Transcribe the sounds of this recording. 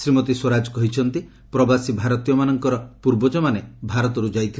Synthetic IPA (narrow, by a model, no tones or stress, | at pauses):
sɾimɔt̪iswɔɾad͡ʒɔkɔɦit͡ʃʰɔnt̪i | pɾɔbasibʱaɾɔt̪ijɔmanɔŋkɔɾɔpuɾbɔd͡ʒɔmanebʱaɾɔt̪ɔɾud͡ʒajt̪ʰi